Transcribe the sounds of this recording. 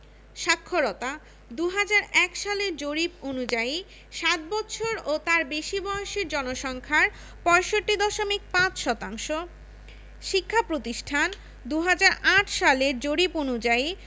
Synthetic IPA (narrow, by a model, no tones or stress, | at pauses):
ʃakʰːoɾɔt̪a | d̪uɦad͡ʑaɾɛkʃaleɾd͡ʑoɾiponud͡ʑai | ʃat̪̚bɔtːɕʰoɾot̪aɾbeʃibɔeoʃeɾd͡ʑɔnoʃɔŋkʰaɾ | pɔeʃoʈːid̪ɔʃomik̚pãt͡ɕʃɔt̪aŋʃo | ʃikʰːapɾot̪iʃʈʰan | d̪uɦad͡ʑaɾaʈʰʃaleɾd͡ʑoɾiponud͡ʑai